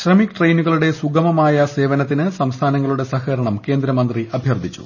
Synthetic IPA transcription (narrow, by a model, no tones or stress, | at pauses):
ɕrɐmikʈrejnuɣɐɭuɽe̞suɡɐmɐmaːjɐse̞ːʋɐnɐt̪̬ːinɨsɐmst̪ʰaːnɐŋːɐɭuɽe̞sɐxɐɾɐɳɐmke̞ːnd̪ɾɐmɐnd̪riʔɐbʱjɐrd̪ʱit͡ɕːṵ